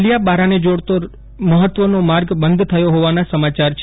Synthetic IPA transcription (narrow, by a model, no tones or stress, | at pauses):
lijabaɾaned͡ʒoɽt̪o | məɦət̪ʋənomaɾɡbənd̪ʱt̪ʰəjoɦoʋanasəmat͡ʃaɾt͡ʃʰ